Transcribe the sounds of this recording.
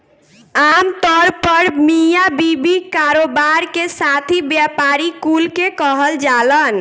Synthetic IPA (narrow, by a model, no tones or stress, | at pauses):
amt̪ɔɾpəɾmijabibikaɾobaɾkesat̪ʰibjapaɾikulkekəɦəld͡ʒalən